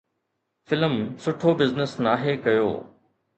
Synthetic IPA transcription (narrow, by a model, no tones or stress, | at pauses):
fɪləmsʊʈʰobɪznɪsnaːɦekɐjo̰ː